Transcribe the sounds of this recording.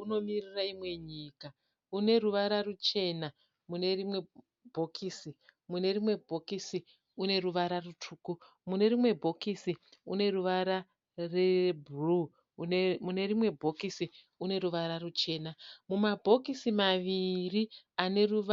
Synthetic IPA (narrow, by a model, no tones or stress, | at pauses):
uno̞miriraimwe̞ɲiːka | une̞ruʋaɾarut͡ʃe̞na | mune̞rimwe | bʱo̞kʰiːsimune̞rimwe̞bʱo̞kisi | une̞ruʋaɾarutʰuːku | mune̞rimwe̞bʱo̞kisiune̞ruʋaɾa | rebʱru | mune̞rimwe̞bʱo̞kisi | une̞ɾuʋaɾarut͡ʃe̞ːnamumabʱo̞kisimaʋiriane̞ruʋ